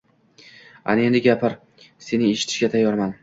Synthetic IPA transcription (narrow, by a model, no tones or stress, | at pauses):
a̰ne̞nd̪ɪɡʲapʰɪɾ | se̞nɪeʃɪt̪ʰɪʃɡʲat̪ʰajːɒɾman